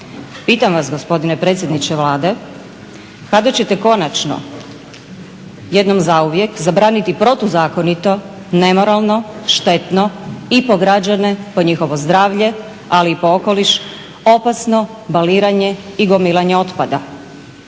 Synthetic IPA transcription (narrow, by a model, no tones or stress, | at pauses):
piːt̪amʋasɡo̞spo̞d̪inepɾe̞t̪sʲje̞d̪nit͡ɕeʋlˠaːd̪e̞ | kad̪at͡ɕe̞t̪e̞ko̞nat͡ʃno̰ | jed̪no̞mzauʋje̞kzabɾaːnit̪ipɾo̞t̪uzaːko̞nit̪o̞ | ne̞mo̞ɾalˠno̞ʃt̪e̞t̪no̞ipo̞ɡɾad͡ʑane̞po̞ɲixo̞ʋo̞zd̪ɾaːʋʎe̞ | aliːpo̞oko̞liʃ | o̞pasno̞ | baliːɾaɲeiɡo̞miːlˠaɲeo̞t̪pad̪a